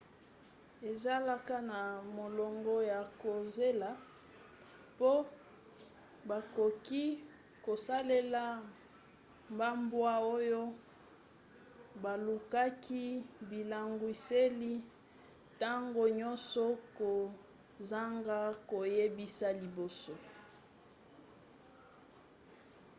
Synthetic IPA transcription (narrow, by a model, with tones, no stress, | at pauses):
e˨za˦la˦ka˦na˨mo˨lɔ˨ŋɡɔ˦ja˨ko˨ze˦la˨˦ | po˦ | ba˨ko˨ki˦ | ko˨sa˦le˦la˦ | mba˦mbwa˦o˦jo˦ | ba˨lu˨ka˦ki˦bi˨la˨ŋɡwi˨se˦li˦ | ta˦ŋɡo˨ɲɔ˦nsɔ˦ko˨ | za˦ŋɡa˦ko˨je˦bi˦sa˦li˨bo˨so˦